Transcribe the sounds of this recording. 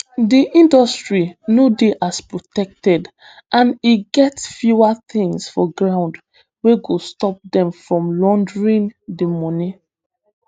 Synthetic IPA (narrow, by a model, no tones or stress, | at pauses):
diʔĩndɔstɹinodeʔaspɹotɛk̚tɛd | ʔãniɡɛtfjuat̪ĩŋsfɔɡɹãʊ̃nd | weɡostɔp̚dɛ̃mfɹɔ̃mlɔ̃ndɹĩndimɔni